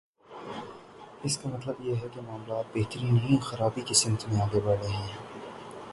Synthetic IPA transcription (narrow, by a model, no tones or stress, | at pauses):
ɪskamɐt̪ləbjeɦɛkemaːmlaːt̪̚beɦt̪əɾiːnɦĩːnxɐɾaːbikesɪ̃nt̪mẽaːɡebɐɽeɦɛ̃ː